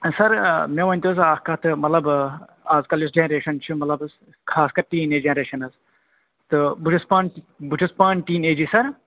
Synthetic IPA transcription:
sɐɾmeʋɐnʲt̪isaːhkɐt̪ɨmɐt̪lɐb | aːzkɐljusd͡ʒenɐɾeːʃɐnt͡ʃʰumɐt̪lɐbɨs | kʰaːskɐɾʈiːneːd͡ʒenɐɾeːʃɐnɐz | t̪ɨbut͡ʃʰuspaːn | but͡ʃʰuspaːnʈiːneːd͡ʒisɐɾ

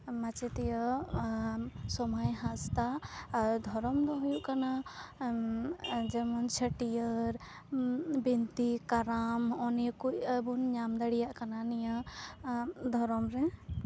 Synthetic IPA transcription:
mat͡ʃɛt̪ɛjɔ | sɔmajɦãst̪a | d̪ʱɔɾɔmd̪ɔɦujuʔkana | d͡ʒɛmɔnt͡ʃʰəʈijəɾ | bint̪ikaɾamɔnɛkucbunɲamd̪aɽijaʔkananija | d̪ʱɔɾɔmɾɛ

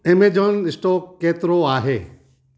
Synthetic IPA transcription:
emed͡ʑoːnɪsʈoːkeːt̪ɪɾoaːɦeː

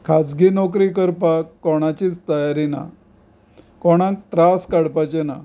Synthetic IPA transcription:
kʰad͡zɡinɔk̬ɾiːkəɾpakːɔɽ̃at͡ɕiːt͡st̪əjaɾina̰ | kɔɽ̃ãkt̪ɾaskaɽpat͡ɕena

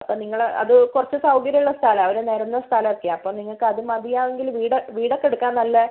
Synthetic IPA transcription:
ɐpːoːniŋːɐɭɐ̰ðɨkurɐt͡ɕːɨsɐwkɐɾjɐuɭːɐst̪ʰaːlɐmɐʋɐɾene̞ːɾɐnːɐst̪ʰalɐmerk̪ːijaɐpːoːmniŋːɐɭkɨɐðɨmɐðijaːʋeŋɡilʋiːɽɐʋiːɽɐkːeɽukːaːnːɐlːɐ

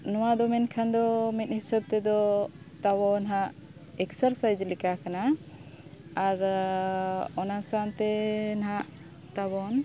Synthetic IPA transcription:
nɔwad̪ɔmɛnkʰand̪ɔmɛt̪̚hisəb̚t̪ɛd̪ɔ | t̪abɔnɦaʔ | ɛksəɾsajd͡ʒlikakana | aɾ | ɔnasant̪ɛnɦaʔ | t̪aβɔn

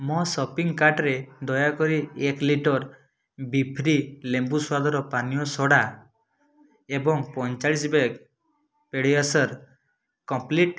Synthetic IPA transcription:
mɔsɔpiŋkaʈɾed̪ɔjakɔɾiekliʈɔɾ | bipʰɾilembuswad̪ɔɾɔpanijɔsɔɽa | ebɔŋpɔnt͡ʃaɭisbeɡ | peɽiasɔɾ | kɔmpliʈ

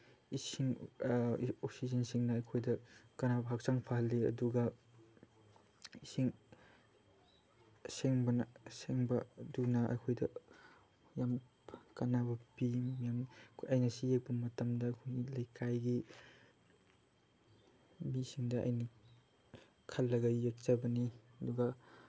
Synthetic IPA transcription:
isiŋ | oksizɐnsiŋnɐːjkʰojdɐkɐnabɐɦak̚saŋpʰaɦɐlːiɐ̰duɡɐ | isiŋ | seŋbɐnaseŋbɐdunɐʔɐ̰jkʰojdɐ | jam | kɐnabɐpimijamʰɐjnɐsijek̚bɐmɐtɐmdɐːjkʰojɡilɐjkʰajɡi | misiŋdɐɐ̰jni | kʰɐlːɐɡɐjːek̚t͡ʃabɐniɐduɡa

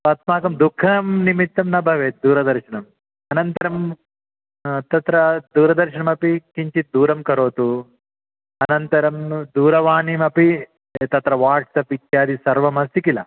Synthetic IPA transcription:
pɐt̪maːkɐmd̪ukʰːɐmnimit̪ːɐmnɐbʱɐʋeːt̪̚d̪uːɾɐd̪ɐɾʃɐɳɐm | ɐnɐnt̪ɐɾɐm | t̪ɐt̪ɾɐd̪uːɾɐd̪ɐɾʃɐɳɐmɐpikiɲt͡ʃit̪̚d̪uːɾɐmkɐɾoːt̪u | ɐnɐnt̪ɐɾɐmd̪uːɾɐʋaːnimɐpi | t̪ɐt̪ɾɐʋaːʈsɐpit̪jaːd̪isɐɾʋɐmɐsikilɐ̰

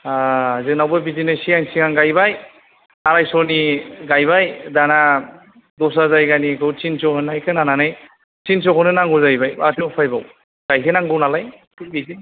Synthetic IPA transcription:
aazɯknawbɯbizinɯjsiaŋsiɡaŋɡajbaj | aɾajsɔniɡajbajdana | dɔs̬azajɡanikʰɯwt͡ʃinsɔɦɯnːajkʰɯnananɯj | sinsɔkʰɔnɯnaŋɡɔzajbajbatʰɯɔpʰajbaw | ɡ̥ajkʰenaŋɡɯwnalaj | bizi

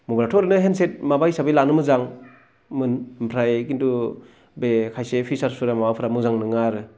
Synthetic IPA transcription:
mubɾatʰɔɾɯnɯɦenset̚mabajsabɯjlanɯmɯzaŋ | mɯnmpʰɾajkintu | bekʰajsepʰisaɾsuɾamawawpʰɯɾamɯzaŋnɯŋaɾɯ

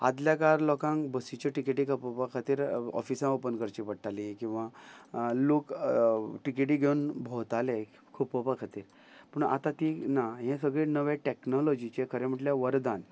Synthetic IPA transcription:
a̰d̪ljakaɾlɔkãŋbəsit͡ɕəʈikeʈikʰəpopakʰat̪iːɾɔ̰fisãəpənkəɾt͡ɕipəɽʈalikĩw̃ʋa | lok | ʈikeʈ̬iːɡʱeunbʱɔt̪ale | kʰupːəpakʰat̪iːɾ | pəɳa̰t̪ãt̪inaɦẽsəɡɭenəʋẽʈeknɔlɔd͡ʑit͡ɕekʰəɾẽm̤əʈljaʋəɾd̪an

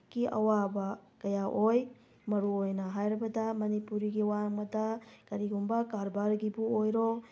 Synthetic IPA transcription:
ɡ̥iʔɐ̰wabɐkɐjaʔoj | mɐɾuojnɐɦajɾɐbɐdɐmɐnipuɾiɡiwaŋmɐdɐkɐɾiɡumbɐkaɾbaɾɡibuojɾo

